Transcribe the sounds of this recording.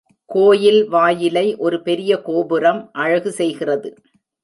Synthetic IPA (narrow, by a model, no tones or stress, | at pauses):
koːjɪlʋaːjɪlɐɪʔɔɾɯpɛɾɪjɐkoːbɯɾɐmʔɐɻɐɣɯsɛjɣɪrɐðɯ